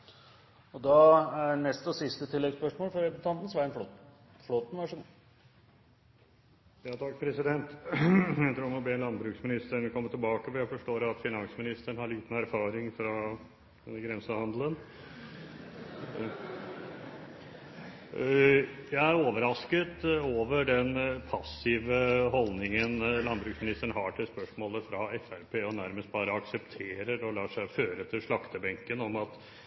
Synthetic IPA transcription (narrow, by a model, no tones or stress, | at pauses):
ɔd̪ɑænɛst̪ɔsɪst̪ət̪ʰɪlːɛɡspœʂmoːlfɔɾɛpsnt̪ʰɑnt̪n̩sʋæɪnfɔt̪ | floːt̪n̩ʋɑʂən | jɑːt̪ʰɑkːpʰɾɛsɪd̪ɛnt̪jæt̪ʰɾuːmɔbeːnlɑnbɾʉːksmɪnɪst̪əɳkʰɔmːəʈ̪ʰɪlbɑːkəfɔɾjæɪfɔʂʈoːɾɑt̪fɪnɑŋsmɪnɪst̪əɳhɑɭiːt̪ən̩æɾfɑːɾɪŋfɾɑ | ɡɾɛnsəhɑnd̪lən | jæɪæɾoːʋəɾɑskət̪oːʋəɖɛnpʰɑsːɪʋəɦɔlnɪŋənlɑnbɾʉksmɪnɪst̪əɳɦɑʈʰɪlspœʂmoːləfɾɑɛfæɾpʰeːɔnæɾməst̪̚bɑːɾəɑksɛpt̪ʰeːɾəɾɔlɑːʂæɪføːɾət̪ʰɪlʂɭɑkt̪əbɛŋkənɔmɑt̪